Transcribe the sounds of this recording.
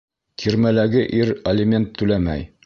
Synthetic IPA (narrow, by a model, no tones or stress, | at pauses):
t̪ʰiɾmælæɡɘʔiɾɐlʲɪmʲe̞nt̪ʰːʉlæmæ̰j